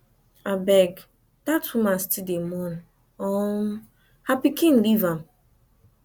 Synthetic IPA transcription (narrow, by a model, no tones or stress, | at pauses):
abɛɡ | datumastidemɔn̩ | ɔm̩ | hapikĩn̩livam̩